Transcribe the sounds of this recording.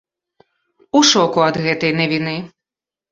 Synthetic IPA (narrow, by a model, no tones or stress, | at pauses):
uʂɔkuɐd̪ɣɛt̪ɐjnɐvʲinɨ